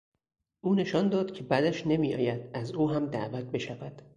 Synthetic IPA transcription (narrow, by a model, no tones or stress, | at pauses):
ʔuːne̞ʃɒːnd̪ɒːd̪̥cʲʰe̞bæd̪æʃne̞miːɒ̰ːjæd̪̥æzuːɦæmd̪æʔvæt̪̚be̞ʃævæd̪̥